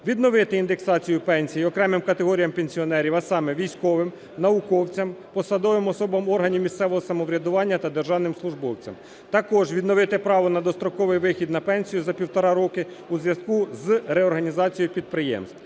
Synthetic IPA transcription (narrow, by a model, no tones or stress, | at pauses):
ʋʲid̪nɔʋɪt̪ɪind̪eksɑt͡sʲijʊpɛnʲsʲijɔkɾɛmɪmkɐt̪eɦɔɾʲijɐmpenʲsʲiɔnɛɾʲiʋɐsɑmɛʋʲijsʲkɔʋɪm | nɐʊkɔwt͡sʲɐmpɔsɐd̪ɔʋɪmɔsɔbɐmɔrɦɐnʲiwmʲist̪sɛʋɔɦɔsɐmɔʋɾʲɐd̪ʊʋɑnʲːɐt̪ɐd̪erʒɑwnɪmslˠʊʒbɔwt͡sʲɐ̰m | t̪ɐkɔʒʋʲid̪nɔʋɪt̪ɪpɾɑʋɔnɐd̪ɔst̪ɾɔkɔʋɪjʋɪxʲid̪nɐpɛnʲsʲijʊzɐpʲiwt̪ɔɾɑɾɔkɪuzʋjɐskuzrɛɔrɦɐnʲizɑt͡sʲijɔjpʲid̪̚pɾɪjɛ̰mst̪